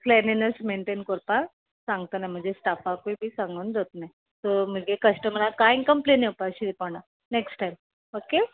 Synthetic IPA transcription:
plɛninəsmeɳʈenkoɾpã | sãŋɡ̚t̪ənajm̤ə̃d͡zʱesʈafakoibʱiːsaŋɡund̪ot̪naj | t̪om̤əɡʱekəsʈəmɾakainkəmpleneupaɕid̪epana | neksʈajm | oke

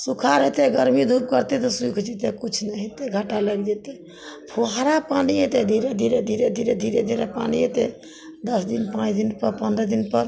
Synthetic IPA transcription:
sukʰaɾɦet̪eɡəɾmid̪ʱup̚kəɾt̪et̪ɔsujkʰt͡ʃit̪ekut͡ʃʰnɛɦet̪eɡʱaʈaləɡd͡ʒet̪e | pʰoɦaɾapaniɦet̪ed̪ʱiɾed̪ʱiɾed̪ʱiɾed̪ʱiɾed̪ʱiɾed̪ʱiɾepa̰niɦet̪e | d̪əsd̪inpãt͡ʃʰd̪inpəɾpə̃nd̪ɾəd̪inpəɾ

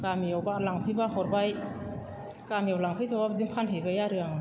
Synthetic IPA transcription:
kamijawbalaŋpʰɯjbahɔɾbaj | kamijawlaŋpʰɯjsabazimpʰanɦɯjbajaɾɯaŋa

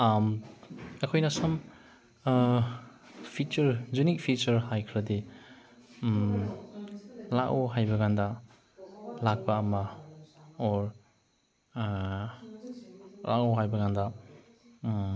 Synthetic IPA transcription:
am | ɐkʰojnɐsɐm | pʰit͡ʃɐɾzunik̚pʰit͡ʃɐɾhajkʰɾɐdi | m | lakoɦajbɐɡandɐ | lak̚pɐːmɐ | ɔɾ | la̰koɦajbɐɡandɐ

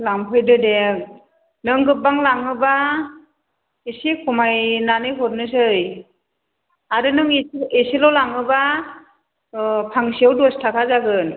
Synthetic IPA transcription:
lampʰɯjdɯdek̚ | nɯŋɡɯp̚ːaŋlaŋɯba | esikʰumajnanɯjɦɔt̚nɯsɯj | aɾɯnɯŋeesilowlaŋɯba | pʰaŋsiawdɔstʰakʰazaɡɯn

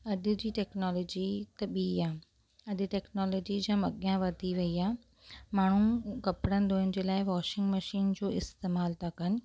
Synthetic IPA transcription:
ɐɗ̪ʊ̆d͡ʑiːʈɛːknɔːloːd͡ʑit̪ɐɓiːaː | ɐɗɪ̆ʈɛːknɔːloːd͡ʑid͡ʑãːmɐɠɪjãʋɐd̪ʱiʋɐiaː | maːɳ̤ukɐpɽə̃nd̪oːənɪ̆d͡ʑeːlaːɪʋɔːʃɪ̃ŋɡmɐʃiːnd͡ʑoːɪst̪eːmaːlt̪ʰakɐnɪ̆

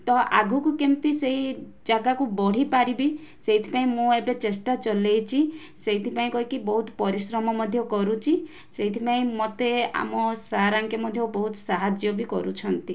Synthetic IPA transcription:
t̪ɔʔa̰ɡʱukukemt̪isei | d͡ʒaɡakubɔɽ̤ipaɾibi | seɦit̪ʰi̥paĩmũebet͡ʃesʈat͡ʃɔlejt͡ʃʰi | seɦit̪ʰipaĩkɔɦikibɔɦut̪ɔ̥pɔɾisɾɔmɔmɔd̪ʱjɔkɔɾut͡ʃʰi | seɦit̪ʰipaĩmɔt̪ea̰mɔsaːɾaŋkjɔmɔd̪ʱjɔbɔɦut̪ɔsaɦad͡ʒjɔbikɔ̰ɾut͡ʃʰɔnt̪i

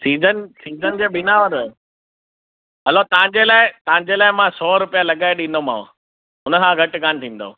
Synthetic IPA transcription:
siːzənsiːzənd͡ʑeːɓɪnaːʋəɾ | ɦɐlot̪ɐɦə̃ɲd͡ʑelaːɪt̪ɐɦə̃ɲd͡ʑelaːɪmãsɔːɾʊpijalɐɠaːɪɗĩn̆d̪omã̰ː | ʊnəkʰãɡʱɐʈɡʱaːnt̪ʰĩːnd̪o̰ː

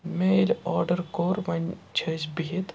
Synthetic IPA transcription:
meːlɔːɾɖəɾkoːɾʋɐnt͡ʃʰəd͡ʒbiit̪

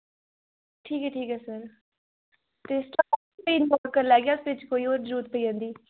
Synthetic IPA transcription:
ʈʰiːkɦɛːʈʰiːkɛːsəɾ | t̪eːsʈa | iːnmoːɾkəɾlɛːɡjaʊsʋɪt͡ʃkoːiːoːɾd͡ʒɾuːt̪̚pəiːãːnd̪iː

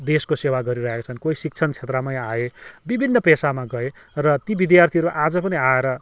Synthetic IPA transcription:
d̪eskosewaɡʌɾiɾʌɦekat͡sʰʌnkoisik̚t͡sʰʌnt͡sʰet̪ramʌjaebibʱinːʌpesamaɡʌe | rʌt̪ibid̪jart̪ʰiʌɾuʔad͡zʌpʌniaeɾʌ

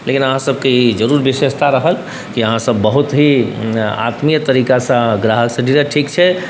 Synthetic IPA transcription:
lekinəɦãsəb̚ʱkeid͡ʒəɾuɾbisest̪ʰaɾəɦəl | kiəɦãsəbːəɦut̪ɦi | a̰t̪mijt̪əɾikasə̃ɡɾaɦəlsə̃ɖiɾəʈʰikt͡ʃʰɛ

